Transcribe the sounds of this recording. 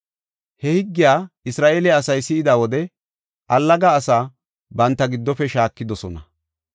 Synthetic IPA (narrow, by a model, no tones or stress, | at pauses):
hɛhɪɡːɪjaːɪsɾaːʔeːlɛɐsɐjsɪɪd̪awɔd̪ɛ | ʔɐlːɐɡaːsaː | bɐnt̪ːɐɡɪd̪ːɔfɛʃaːkːɪd̪ɔsɔnɐ